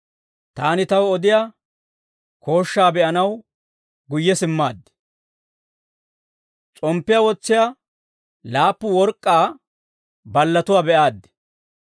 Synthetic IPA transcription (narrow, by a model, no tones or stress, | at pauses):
t̪aːnɪt̪ɐwɔd̪ɪjaː | kʰo̞ːʃːaːbɛʔɐnɐw | ɡʊjːɛsɪmːaːd̪ːɪ̥ | t͡sʼɔmpːɪjawɔt͡sːɪja | laːpːʊwɔɾkʼːaː | bɐlːɐt̪ʊwaːbɛʔaːd̪ːɛ̥